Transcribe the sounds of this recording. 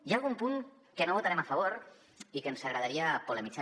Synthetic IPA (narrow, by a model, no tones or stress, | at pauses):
jalˠɣumpuŋ | kənoβut̪aɾɛmafɐβoɾ | ikənsaɣɾaðaɾiapuləmid͡za